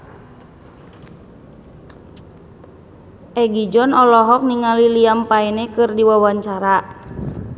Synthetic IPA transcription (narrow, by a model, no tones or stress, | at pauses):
ʔɛɡid͡ʒɔnɔlɔɦɔk̚niŋaliliampainɛkɨrdiwawaɲt͡ʃaɾa